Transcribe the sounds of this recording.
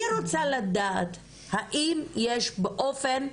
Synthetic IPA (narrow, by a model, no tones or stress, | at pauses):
iɾot͡salad̪aːt̪ | haʔimjeʃbeʔo̞fen